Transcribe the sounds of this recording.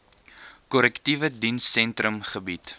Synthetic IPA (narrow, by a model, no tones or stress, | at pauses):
kɔlɛktivədinsːɛntrəmχəbit